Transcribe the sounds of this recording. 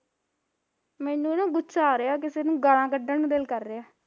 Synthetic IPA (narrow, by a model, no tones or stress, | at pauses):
mɛːnũːnãːɡʊt͡ʃaːɾeaːk̬ɪseːnũːɡaɽãːkəɖəːnũːd̪elkəɾːeːaː